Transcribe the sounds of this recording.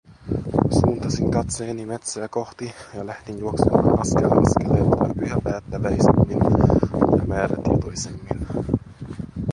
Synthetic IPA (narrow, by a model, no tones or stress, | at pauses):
suːnt̪ɑsiŋkɑt̪seːnimet̪sæːkoht̪ijɑlæht̪injuoksemɑ̰ːnʔɑskelɑ̰nskelːeːɑt̪ɑ̰pyjɑpæːt̪ːæʋæist̪umːin | jɑ̰mæːɾæ̰t̪ḭnt̪ojsemːḭn